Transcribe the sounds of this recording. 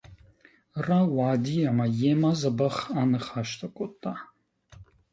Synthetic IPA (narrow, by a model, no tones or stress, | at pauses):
rawaːd̪ijamajɛmazɐbɐχanɨχaʃt̪ʰʼɐkʷʼot̪ʼːa